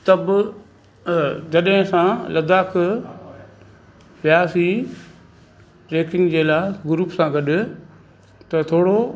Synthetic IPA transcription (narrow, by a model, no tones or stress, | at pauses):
t̪ɐb | d͡ʑɐɗɦɪ̃sãːlɐd̪aːk | ʋjaːsi | ɾeːkɪ̃ŋɡd͡ʑeːlaːɪɡʊɾuːpsãːɡɐɗʊ̆ | t̪ɐt̪ʰoːɽo